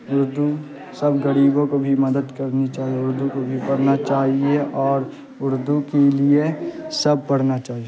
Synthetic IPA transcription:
ʊɾd̪u | sɐbɡɐɽiːbõkobʱimɐd̪əd̪kɐɾnit͡ʃaːɦieʊɾd̪ukobʱipɐɾnat͡ʃaːɦieʔɔːɾ | ʊɾd̪ukeliesɐb̚pɐɽ̤nat͡ʃaːɦie

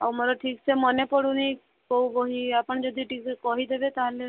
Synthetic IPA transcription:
a̰wmɔɾɔʈʰikt͡ʃʰemɔnepɔɽune | kɔwbɔɦiapəɳ̃d͡ʒɔd̪ʱiʈikekɔɦid̪ebet̪aɦle

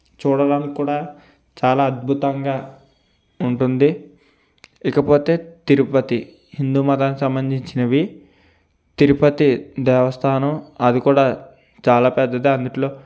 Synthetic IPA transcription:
t͡ʃuːɽɐɽɐnikkuːɽaː | t͡ʃaːlaːɐd̪̚bʱut̪ɐŋɡaː | uɳʈund̪i | ikɐpo̞ːt̪e̞ːt̪iɾupɐt̪i | hind̪uːmɐt̪aːnːkisɐmbɐnd͡ʒ̪ʱiɲt͡ʃinɐʋi | t̪iɾupɐt̪id̪ɛːʋɐst̪ʰaːnɐmɐd̪ikuːɽaː | t͡ʃaːlaːpɛd̪ːɐd̪eːɐnd̪uʈlo̞ː

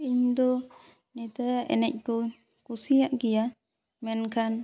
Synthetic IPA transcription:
iɲd̪ɔ | nit̪aaʔɛ̰nɛc̚kɔ | kusijaʔɡija | mɛnkan

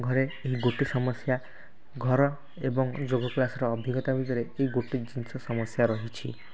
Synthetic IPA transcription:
ɡʱɔɾeeɦiɡoʈisɔmɔsja | ɡʱɔɾɔ | ebɔŋd͡ʒoɡɔklasɔɾɔːbʱiɡɔt̪abʱid̪ɔɾeeɦiɡoʈid͡ʒinsɔsɔmɔsjaɾɔɦit͡ʃʰi

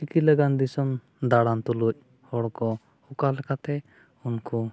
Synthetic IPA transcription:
t͡ʃikiləɡand̪isɔm | d̪aɽant̪uluc̚ˀ | hɔɽkɔ | ukalɛkat̪ɛ | unku

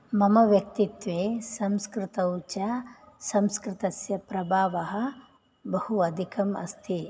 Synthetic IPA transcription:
mɐmɐʋjɐk̚t̪it̪ʋeːsɐmskɾɪt̪ɐut͡ʃɐ | sɐmskɾɪt̪ɐsjɐpɾɐbʱaːʋɐɦɐ̆ | bɐhuɐd̪ʱikɐmɐ̰st̪ʰi

